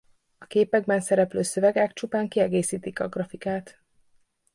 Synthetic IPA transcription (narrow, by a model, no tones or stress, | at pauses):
ɒkeːpɛɡ̚bɛnsɛɾɛpløːsø̞vɛɡakt͡ʃupaːŋkiɛɡeːsiːt̪ikɒɡrɒfikaːt̪